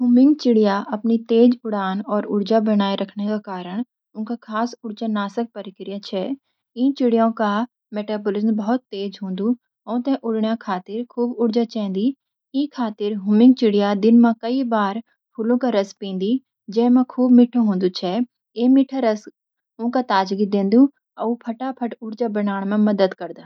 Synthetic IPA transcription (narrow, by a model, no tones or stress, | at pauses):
ɦuːmɪ̃ŋɡt͡ʃɪɽɪjaɐpnit̪eːd͡ʒʊɽaːnɔːɾʊɽd͡ʒabɐɽ̃aːiɾɐkʰnekakaːɾəɽ̃ | ʊnkakʰaːsʊɽd͡ʒanaːsək̚pəɾɪkɾɪjat͡ʃʰɛː | ĩːt͡ʃɪɽijõka | meːʈaːbolɪzənbɐɦɔt̪ːeːd͡ʒɦõːnd̪u | ɦɔ̃ːt̪ɛ̃ʔʊɽɳjakʰaːt̪ɪɾkʰuːbʊɽd͡ʒat͡ʃɛ̃ːnd̪i | ĩkʰaːt̪ɪɾɦʊmɪ̃ŋɡt͡ʃɪɽɪjad̪ɪnmãkɐibaːɾ | pʰʊlõkaɾɐspĩːnd̪i | d͡ʒɛːmãkʰuːbmɪʈʰːõɦõːnd̪ut͡ʃʰɛ | eːmɪʈʰaɾɐs | ʊ̃kat̪aːd͡ʒɡid̪ẽːnd̪u | ɐupʰɐʈapʰɐʈʊɾd͡ʒabɐnaːɽ̃mẽmɐd̪əd̪kɐɾd̪aː